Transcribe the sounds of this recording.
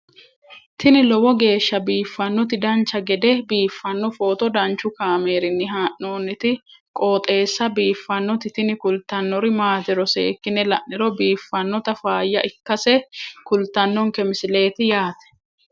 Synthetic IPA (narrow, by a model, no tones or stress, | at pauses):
t̪ɪnɪlɔwɔɡe̞ːʃːɐbiːfːɐnːɔt̪ɪd̪ɐnt͡ʃːɐɡɛd̪ɛbiːfːɐnːɔfoːt̪ɔd̪ɐnt͡ʃːʊkaːme̞ːɾɪnːɪɦaːʔno̞ːnːɪt̪ɪkʼo̞ːt̪ʼe̞ːsːɐbiːfːɐnːɔt̪ɪt̪ɪnɪkʊlt̪ːɐnːɔɾɪmaːt̪ɪɾɔsḛːkːɪnɛlɐʔːɪɾɔbiːfːɐnːɔt̪ɐfaːjːɐʔɪkːɐsɛkʊlt̪ːɐnːɔŋkɛmɪsɪle̞ːt̪ɪjaːt̪ɛ̥